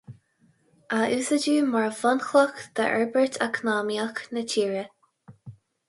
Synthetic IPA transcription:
ʔaʔʉːsəd͡ʒuːmaɹvɔnxlɔkd̪̥ə̰ʔɛ̰ɹbəɹt̪ʰakʰnaːmjaknətʰiːɹə

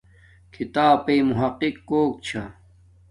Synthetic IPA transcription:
kʰit̪aːpeːmuɦɐqːikːoːk̚t͡ɕʰa

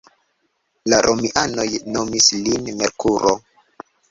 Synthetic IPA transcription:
laɾʔomiʔano̞jno̞mislinmeɾkʰuɾo

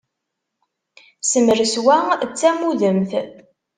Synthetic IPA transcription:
səməɾəswæt͡sːæmuðəmθ

